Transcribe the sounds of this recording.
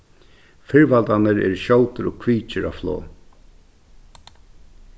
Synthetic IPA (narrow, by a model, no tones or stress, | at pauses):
fɪɹvalt̪anəɾɛ̰ɾʃɔw̪t̪əɾɔɡkʰviːt͡ʃɪɾa̰vflo̰ː